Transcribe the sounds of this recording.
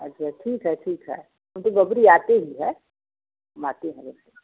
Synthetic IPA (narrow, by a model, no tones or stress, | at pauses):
ɐtːʃʰaʈʰiːkɦɛʈʰiːkɦɛ̰ | ɦɐmt̪oɡɐbɾiaːt̪eɦiɦɛ | maːt̪eɦɛ̃b̪ʊe